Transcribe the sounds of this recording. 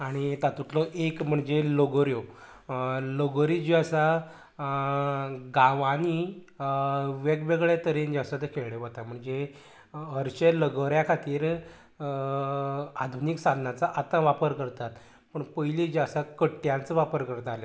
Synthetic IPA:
aɽ̃it̪at̪ut̪lɔʔekm̤əɳd͡zeloɡɾjo | loɡəɾid͡ʑiasa | ɡaʋani | ʋekʋeɡɭet̪əɾend͡ʑasat̪əkʰeɭɳeʋət̪am̤əɳd͡ze | əɾt͡ɕeləɡəɾjakʰat̪iːɾ | ad̪ʱuniksad̪ʱnat͡saʔat̪ãʋapəɾkəɾt̪at̪ | pəɳpəjlid͡ʑasakəʈːjãnt͡səʋapəɾkəɾt̪alja

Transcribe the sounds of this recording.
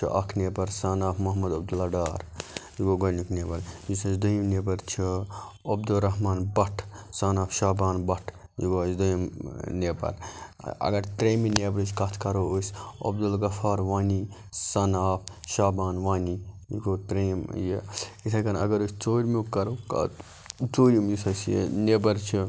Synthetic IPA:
t͡ʃʰḭʔɐ̰kʰneːpɐɾsanaːpʰmɐɦmɐd̪ɐbd̪ulɐɖaːɾjiɡoːɡɐnukneːpɐɾjisɐsd̪ujimneːpɐɾt͡ʃʰiɐbd̪ulɾɐɦmaːnbɐʈʰsaːnaːpʰʃaːbaːnbɐʈʰjiɡosd̪ojmneːpɐ̰ɾɐ̰ɡɐɾt̪ɾeːmineːbɾɨskɐt̪ʰkɐɾoːosʲɐ̰bd̪ulɡɐfaːɾʋaːni | sɐnaːpʰʃaːbaːnʋaːni | jiɡoːt̪ɾeːmjeitʰɐkɐnɐ̰ɡɐɾosʲt͡soːɾʲmukːɐɾoːka̰ | t͡soːɾimjisɐsj̰neːbɐɾt͡ʃʰi

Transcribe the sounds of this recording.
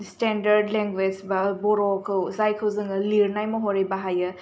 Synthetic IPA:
stendɐɾdleŋɡwed͡ʒbabɔɾɔkʰɯwzajkʰɯwzɯŋɐliɾnajmɐɦɔɾejbaɦajɯ

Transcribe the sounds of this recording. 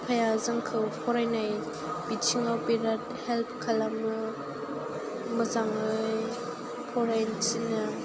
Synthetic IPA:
pʰajazaŋkʰɯwpʰɔɾajnaj | bit͡ʃʰiŋawpiɾat̚ | hɛlpʰkʰalamɯ | məzaŋɯj | pʰɔɾajnsinɯ

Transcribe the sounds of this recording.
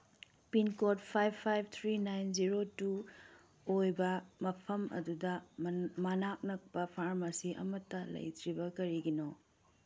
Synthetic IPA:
pinkot̚pʰajbʰajb̚ʰt̪ʰɾinajnziɾotu | ojbɐmɐpʰɐmɐ̰dudɐmanak̚nɐk̚pɐpʰaɾmɐsiʔɐ̰mɐtːɐlɐ̰jtɾibɐkɐɾiɡino

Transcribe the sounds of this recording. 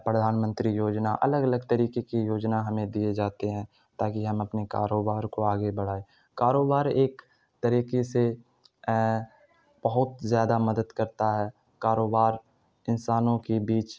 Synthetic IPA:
pɾəd̪ʱaːnmə̃nt̪ɾijoːd͡ʒnaʔɐ̰ləɡɐləɡt̪əɾiːkekijoːd͡ʒnaɦɐmẽd̪ied͡ʒaːt̪eɦɛ̃ | t̪aːkiɦɐmɐpneka̰ːɾoːbaːɾkoaːɡebəɽ̤aːe | kaːɾoːbaːɾeːk | t̪əɾiːkese | b̥ɐɦʊt̪zjaːd̪amɐd̪əd̪kɐɾt̪aɦɛː | kaːɾoːbaːɾ | ɪnsaːnõkebiːt͡ʃ

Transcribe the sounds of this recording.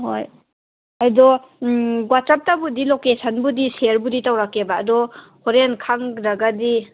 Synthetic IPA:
hoj | ajdɔ | ɡwatsap̚tabudilokesanbudiseɾbuditawɾakːebaːdɔhɔɾenkʰaŋɾaɡadi

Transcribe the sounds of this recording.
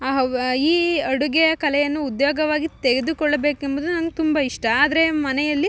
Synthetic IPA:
ɦiːɐɽuɡɛjɐkɐlɛjɐnːuːd̪joːɡɐʋaːɡit̪eɡe̞d̪ukɔɭːɐbe̞ːkembɐd̪unɐnɐɡet̪umbɐiʂʈɐaːd̪ɐɾe̞mɐnɛjɐlːi

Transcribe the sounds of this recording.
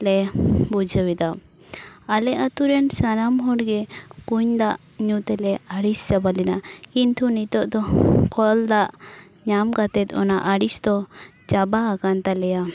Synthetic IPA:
lɛbud͡ʒʱəwid̪a | alɛat̪uɾɛnsanamɦɔɽɡɛkuɲd̪aʔ | ɲut̪ɛlɛaɽist͡ʃabalɛnakint̪ʰunit̪ɔʔd̪ɔkɔld̪aʔ | ɲamkat̪ɛt̪ɔ̰naʔaɽisd̪ɔ | t͡ʃabaːkant̪alɛja

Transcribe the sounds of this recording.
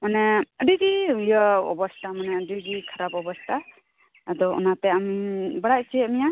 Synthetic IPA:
manɛəɖiɡiujəɔ̰bɔstʰamanɛɖiɡikʰaɾabɔbɔst̪ʰaː | d̪ɔṵnat̪ɛamibaɽajt͡ʃimija

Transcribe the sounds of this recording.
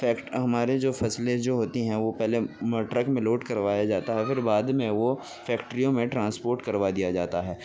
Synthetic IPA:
fɛːkʈɦɐmaːɾed͡ʒoːfɐsled͡ʒoːɦoːt̪iɦɛ̃ʋopɛɦlemɐʈɾəkmẽloːʈkɐɾʋaːjad͡ʒaːt̪aɦɛfɪɾbaːd̪mẽʋo | fʰɛːkʈɾijõmẽʈɾãːnspoːɾʈkɐɾʋad̪ijad͡ʒaːt̪aɦɛː

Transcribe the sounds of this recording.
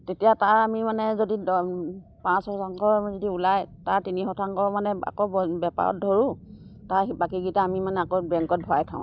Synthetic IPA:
tetijataɹamimanɛzodi | pãshɔtʰaŋkɔɹzodiulajtaɹtinixɔtʰaŋkɔmanɛa̰kobbɛpa̰ɹɔ̰t̚dʱoɹu | taɹbakiɡitaːmimanɛakobɛŋkɔt̚bʱɔajtʰa̰ʊ̃

